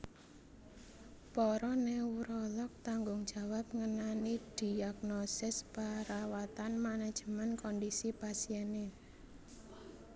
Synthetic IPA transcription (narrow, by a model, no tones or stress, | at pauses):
pɔɾɔnewɾɔlɔk̚t̪aŋɡʊŋd̥d͡ʒ̥ä̤wap̚ŋənanid̥i̤aɡnɔsɪspaɾawat̪anmanad̥ʒ̥ə̤mankɔndisipasiɛne